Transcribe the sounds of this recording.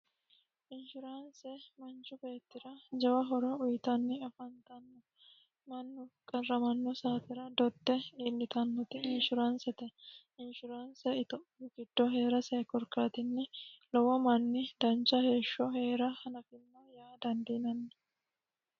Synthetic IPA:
ʔɪnʃɪɾansɛmɐnt͡ʃːʊbe̞ːt̪ːɪɾɐd͡ʒɛwɐɦɔɾɐʊjɪt̪ɐnːɪɐfɐnt̪ɐnːɔ | mɐnːʊkʼɐrːɐmɐnːɔsaːfɪɾɐd̪ɔd̪ːɛiːlːɪt̪ɐnːɔt̪ɪɪnʃʊɾansɛt̪ɛ | ɪnʃʊɾaːnsɛɪt̪ɔʔɪɡɪd̪̥ːɔɦe̞ːɾɐsɛjkɔɾkaːt̪ɪnːɪlɔwɐmɐnːɪd̪̥ɐnt͡ʃːɐhe̞ːʃːɔhe̞ːɾɐhɐnɐfɪnːɐjaːd̪ɐnd̪inɐnːɐ

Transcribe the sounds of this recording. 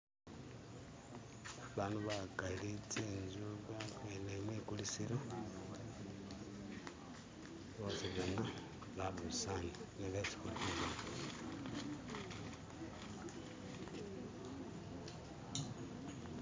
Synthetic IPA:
βaːnduβakalit͡senzuɡakenemwiːkulisiɾo | βosiβjona | βaβusanineβesi̥kutuβa

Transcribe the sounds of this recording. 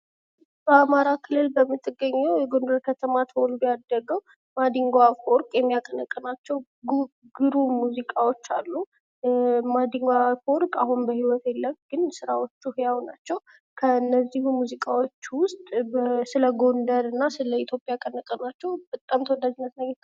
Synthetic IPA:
b̥əamaɾakʰɨlːɨlbəmːɨt̪ʰːɨɡːəɲːɛwjɛɡo̞nd̪əɾkʰət̪ʰəmat̪ʰəwɔlbijad̪əɡəw | mad̪iŋɡwafoɾkʼjɛmːijakʼənəkʼːənat͡ʃːɛw | ɡ | ɡɨɾumuzikʼawo̞t͡ʃːalːu | mad̪iŋɡwafoɾkʼaɦunbəhiwɔt̪ʰelːəmɡɨnsɨɾawo̞t͡ʃːuhjawna̰t͡ʃːɛw | kʰəɨnːəzːihumuzikʼawo̞t͡ʃːwʊst̪ʼbsɨləɡo̞nd̪əɾɨnːasɨləit̪ʰjo̞pʼjakʼənɨkʼənat͡ʃːɛwb̥ət̪ʼːamt̪ʰəwɔd̪ːad͡ʒinːət̪nəɡə

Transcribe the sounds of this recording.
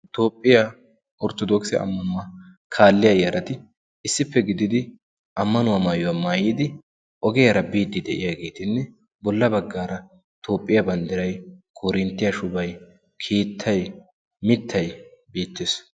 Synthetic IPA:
t̪o̞ːpʼːɪja | ɔɾt̪ɔd̪oksɪja̰ʔɐ̰mːɐnmːɐ | kʰaːlːɪjɐjɐɾʔɐt̪ɪ | ɪsːɪpːɛɡɪd̪ɪd̪ɪ | ʔɐmːɐnʊwamaːjʊwamaːjɪd̪ɪ | ʔɔɡɛjɐɾɐbiːt̪ːɪd̪ɛʔɪ̰jaːɡe̞ːt̪ɪnːɛ | bɔlːɐbɐɡːaːɾɐ | t̪o̞ːpʼːɪjɐbɐnd̪ɪɾɐjkʰoːɾɪnt̪ːɪjɐʃʊbɐj | kʰiːt̪ʰːɐj | mɪt̪ʰːɐjbiːt̪ːes

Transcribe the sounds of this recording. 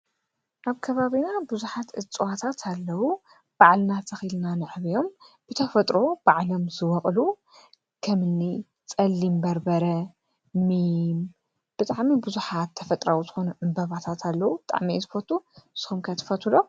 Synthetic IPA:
ʔaβkʰɐβaβinabɨzuħat̪ʔɨt͡sʼwat̪ʰat̪ʰalːɐwu | b̥aʕlnat̪ʰɐxilnanɨʕβijo̞mb̥ɨt̪ʰɐfɐt̪ʼɾo̞b̥aʕlo̞mzɨwɐχʼlu | kʰɐmɨnːi | t͡sʼɐlːimbɐɾbɐɾɐ | mim | b̥ɨt̪ʼaʕmibɨzuħat̪ʰːɐfɐt̪ʼɾawuzɨxo̞nuʕɨmbɐβat̪ʰat̪ʰalːɐwubɨt̪ʼa̰ʕmiɨzfot̪ʰusɨ̥xumkʰɐt̪ʰɐ̥fɐt̪ʰulo

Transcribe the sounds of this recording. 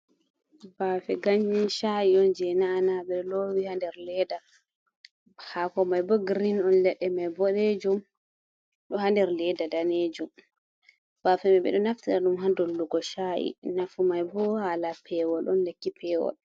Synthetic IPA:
bafɛɡaɲːinʃaʔiɔnd͡ʒɛnaːnaɓɛɗɔlɔwihandɛɾlɛda | bhakɔmajbɔɡɾinɔnlɛɗːɛmajbɔɗed͡ʒum | ɗɔhandɛɾlɛdadaneːd͡ʒum | b̥aːfɛmɛɓɛ̰ɗɔnaftiɗaɗumɦandɔlːuɡɔʃaʔḭnafumajbɔhalapʰɛwɔlʔɔnlekːipɛːwɔ̰l

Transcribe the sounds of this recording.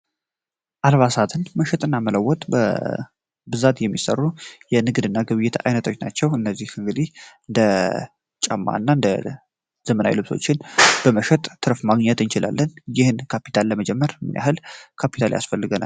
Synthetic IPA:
ʔalβasat̪ʰɨnməʃɛt̪ʼɨnːamələwːɔt̪ʼbə̰ | bɨzat̪jɛmːisə̰rːujɛnɨɡd̪ɨnːaɡɨβɨjːɪt̪ʰa̰jnət̪ʰo̞t͡ʃːna̰t͡ʃːɛwɨnːəzːihɨŋɡɨd̪ihɨnd̪ə | t͡ʃʼamːa̰nːaɨnd̪ə | z̥əməna̰jlɨβso̞̰t͡ʃːɪnb̥əməʃɛt̪ʼʰːɨɾfmaɡɲɛt̪ɨnt͡ʃɪla̰lːənjɪhɨnkʰapi̥t̪ʰalːəməd͡ʒɛmːəɾmɨ̰nja̰hɨlkʰapʰi̥t̪ʰalja̰sfəlːɨɡəna̰

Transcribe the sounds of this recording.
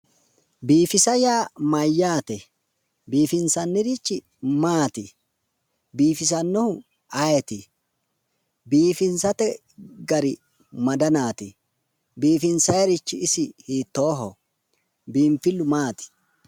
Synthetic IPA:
biːfɪsɐjaːmɐjːaːt̪ɛ | biːfɪnsɐnːɪɾɪt͡ʃːɪ | maːt̪ɪ | biːfɪs̬ɐnːɔhʊ | ɐjɛt̪ɪ | biːfɪnsɐt̪ɛ | ɡɐɾɪ | mɐd̪ɐnaːt̪ɪ | biːfɪnsɐjɛɾɪt͡ʃːɪɪsɪhiːt̪ːoːɦɔ | biːmfɪlːʊmaːt̪ɪ̥

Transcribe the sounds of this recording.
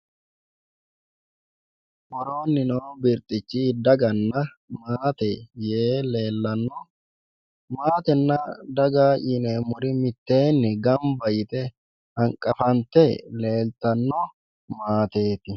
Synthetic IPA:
ʔɔɾo̞ːnːɪnoːbɪɾt̪ʼɪt͡ʃːiːd̪ɐɡɐnːɐ | maːt̪ɛjeːle̞ːlːɐnːɔ | maːt̪ɛnːɐd̪ɐɡaːʔɪnemʊɾɪmɪt̪ːe̞ːnːɛɡɐmbɐjɪt̪ɛ | hɐŋkʼɐfɐnt̪ɛle̞ːlt̪ɐnːɔ | maːt̪e̞ːt̪ɪ

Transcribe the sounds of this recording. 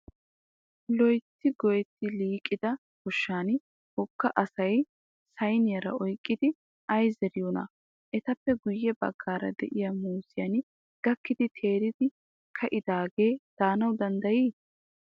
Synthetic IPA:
lɔjt̪ːɪɡɔjɛt̪ːɪliːkʼːɪd̪ɐ | ɡ̥ʊʃːaːn | hɔkːɐʔɐsɐj | sɐjnɪjɐɾɐ̰ɔjkʼːɪd̪ɪ | ʔɐjzɛɾɪjɔnɐ̰ | ʔɛt̪ɐpːɛɡʊjːɛbɐ̰ɡːaːɾɐ̰d̪ɛ̰ʔɪjɐmuːzɪjɐn | ɡ̥ɐkːɪd̪ɪt̪ʰe̞ːɾɪd̪ɪ | kʰɐʔɪd̪aːɡe̞ːd̪̥aːnɐwd̪ɐnd̪ɐjiː

